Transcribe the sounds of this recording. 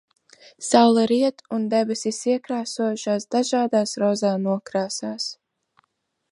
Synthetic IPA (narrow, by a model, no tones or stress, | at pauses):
sawlˠaɾiɛt̪und̪ɛbɛsisiɛkɾaːsuɔʃaːsd̪aʒaːd̪aːsɾɔzaːnuɔkɾaːsaːs